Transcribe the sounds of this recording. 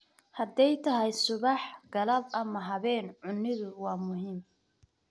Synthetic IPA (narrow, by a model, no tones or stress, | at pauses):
hɐd̪ɛjt̪ʰɐɦɐjsʊβɑħɡ̥ɐlɐbɐmɐɦɐβɛːnʕʊnːɪðʊwɑːmʊɦiːm